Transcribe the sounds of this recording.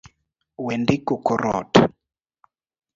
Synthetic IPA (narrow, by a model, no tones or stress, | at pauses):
wɛndikukɔɾɔ̰ːtʰa